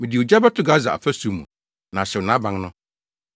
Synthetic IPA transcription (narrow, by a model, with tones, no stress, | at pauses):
mĩ˨dɪ˨o˨d͡ʑa˦ba˦tʰʊ˨˦ɡa˦za˨a̰˨fæ˦su˨˦mũ˨ | nã˨ɕɛ˨wnã˦bã˨˦ŋnʊ̃˦